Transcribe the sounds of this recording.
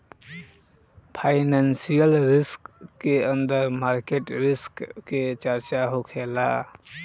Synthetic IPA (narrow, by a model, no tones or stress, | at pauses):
pʰaːɪnɛnsijəlɾɪskːeə̃nd̪əɾmaːɾkeʈɾɪskːet͡ʃəɾt͡ʃaɦokʰeːla